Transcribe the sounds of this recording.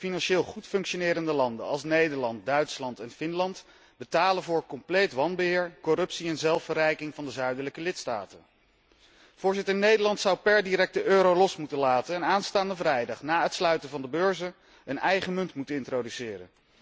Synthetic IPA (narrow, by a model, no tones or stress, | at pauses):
finɑnʃɪːlˠχutfɵŋkʃonɪːɾəndəlɑndə̰ɑlˠsnejdəɹlɑnt̚dœɥtslɑntɛnfɪnlɑnt | bətaːlənvʊːɹkɔmplejtʋɑnbəɦɪːɹkɔrɵpsiɛnzɛlˠfərɛjkɪŋvɑndəzœɥdələkəlɪtsta̰ːtən | v̥ʊːɹzɪtəɹnejdəɹlɑntsʌwpɛɹdiɾɛk̚təʔøːɾowlɔsmutənlaːtənɛnaːnstaːndəvrɛjdɑχnaːətslœɥtənvɑndəbøːɹzə | ənɛjχəmɵntmutənɪntrowdysɪːrə̰n